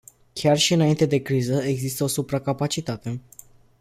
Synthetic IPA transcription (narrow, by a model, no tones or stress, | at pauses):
kʲʰarʃiɨnaint̪e̞d̪e̞kɾizəe̞ɡzist̪əo̞supɾakapat͡ʃit̪at̪e